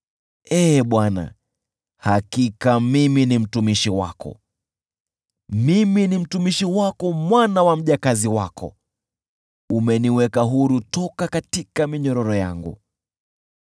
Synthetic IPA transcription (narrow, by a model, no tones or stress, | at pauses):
ɛːɓwana̰ | hakikamiminim̩tumiʃiwa̰kɔ̰ | miminim̩tumiʃiwakɔmwanawam̩ʄakaziwakʰɔ̰ | umɛniwɛkaɦuɾutɔkakatikamiɲɔɾɔɾɔja̰ŋɡṵ